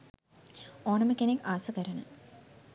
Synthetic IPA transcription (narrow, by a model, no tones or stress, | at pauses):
oːnɐməkenekːaːsukəɾɐnə̰